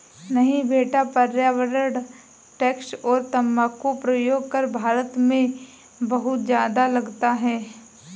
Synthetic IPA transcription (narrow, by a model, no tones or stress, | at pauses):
nɐɦĩbʱeːʈapɐɾjaːʋəɾəɽ | ʈɛːksɔːɾt̪ɐmːaːkopɾɐjoːɡ̚kɐɾbʱaːɾət̪mẽ | bɐɦʊt̪d͡ʒjaːd̪alɐɡt̪aɦɛː